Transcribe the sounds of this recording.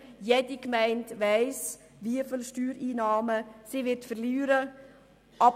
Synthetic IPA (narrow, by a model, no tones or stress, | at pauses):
jɛdikmɛɪntʋæɪs | viəfilʃtyːɾiːnɑːməsiʋɪɾtfərlyːɾə | ʔɑ